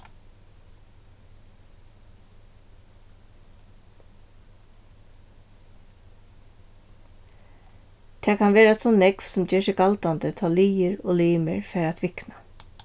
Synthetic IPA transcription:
t̪ʰɛːkʰɑnʋeːɾasɔnnɛkʋsʊmd͡ʒeːʃɪkɑlt̪and̪ət̪ʰɑːliːəɹoːliːmə̰ɹfɛːɾat̪ʰʋɪkna

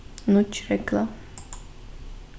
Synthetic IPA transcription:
nut͡ʃɾɛkla

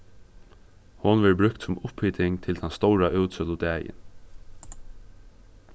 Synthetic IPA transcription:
hʊnʋɛɹbɾʏkt̪sʊmʊphiːt̪ʰɪŋt̪ʰɪlt̪ʰanst̪ɔwɾaʔʉwt̪sœlʊd̪æːjɪ̰n

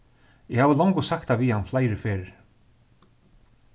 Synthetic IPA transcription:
ɪhaːvəlɔwŋkʊsakt̪aviːhanflaːjɾɪfeːɾ

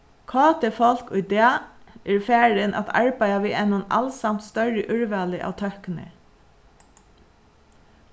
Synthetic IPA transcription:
kʰɑːt̪ɪfɔl̥kʊjd̪ɛːɛɹfæːɹɪnʔa̰t̪ʰa̰ɹpæjaʋiːʔɛnːʊna̰lsamt̪st̪œɹɪʔʏɹʋaːlɪʔa̰ːʋt̪ʰœhkɪnɪ̰

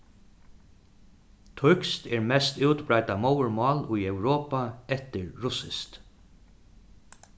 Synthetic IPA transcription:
t̪ʰʊkst̪ɛɹmɛst̪ɪwt̪bɾajt̪amowɹmɑːlʊjɛwɾoːpaɛt̪ɪɹːʊsɪst̪

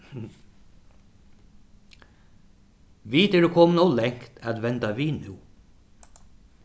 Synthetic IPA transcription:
ʋiːt̪ɛɖukʰɔːmnɔwlɛŋ̥kt̪ʰæt̪ʋɛnt̪aʋiːnʉ

